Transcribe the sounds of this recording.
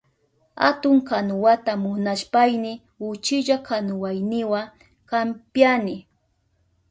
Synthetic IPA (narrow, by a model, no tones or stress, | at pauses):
ha̰t̪ʊŋkanʊwat̪amʊnaʃpajnɪ | ʊt͡ʃɪʎakanʊwajnɪwa | kampjanɪ